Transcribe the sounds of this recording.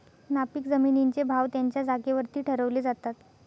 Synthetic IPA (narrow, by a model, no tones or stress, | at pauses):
napiːkd͡zəminiɲt͡sebʱaʋt̪jaɲt͡ɕjad͡zakeʋəɾt̪iːʈʰəɾəʋled͡zat̪at̪